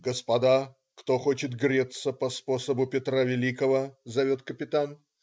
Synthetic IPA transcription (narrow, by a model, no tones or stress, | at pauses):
ɡəspɐd̪a | kt̪o̞xo̞t͡ɕɪt̪ɡɾʲet̪sːəpɐspo̞səbʊpʲɪt̪ɾavʲɪlʲikəvəzɐvʲo̞t̪kəpʲɪt̪an